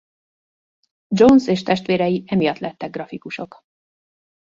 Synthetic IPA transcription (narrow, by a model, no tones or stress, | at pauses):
d͡ʒonseːʃt̪ɛʃt̪ʋeːɾɛjiʔɛmijɒt̪lɛt̪ːɛɡːrɒfikuʃo̞k